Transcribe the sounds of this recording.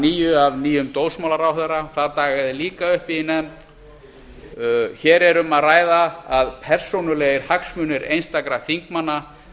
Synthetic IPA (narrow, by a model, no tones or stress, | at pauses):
niːjʏavniːjʏmt̪owlsmawlaɾawθeɾaθaðt̪aːɣaðɪliːkaʏhpɪnɛmt̪ | çɛːɾɛɾʏmaðraːjðaaðpʰɛr̥sownʏleːɣɪɾ̥haksmʏːnɪɾḛjnst̪akɾaθiŋkmanːa